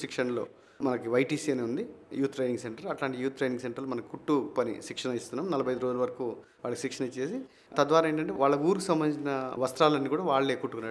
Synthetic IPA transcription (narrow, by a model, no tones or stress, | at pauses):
sikʂɐnlo̞̰ː | mɐnɐkiʋɐjʈiːsiːɐneund̪ijuːt̪ːɾejniŋɡseɳʈɐɾɐʈlaːɳʈijuːt̪̚ːɾejniŋɡseɳʈɐɾlmɐnɐkikuʈːupɐnḭsikʂɐnɐjist̪unːaːmnɐlɐbʱjɐjd̪uɾod͡ʒuluʋɐɾɐkuːʋaːɭɐkisikʂɐnɐt͡ʃe̞ːsi | t̪ɐd̪ʋaːɾaːeːɳʈɐɳʈ̬e̞ʋaːɭːɐkuːɾukusɐmːɐnit͡ʃinɐʋɐst̪ɾaːlɐnːiːkuːɽaːʋaːɭːe̞ːkuʈːukunːaːɽ